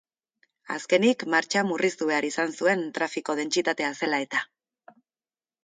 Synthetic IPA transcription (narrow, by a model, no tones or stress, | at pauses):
a̰ske̞nikmaɾt͡ʃamurist̪uβe̞aɾisansue̞nt̪ɾafiko̞ðe̞nt͡sit̪at̪e̞ase̞lae̞t̪a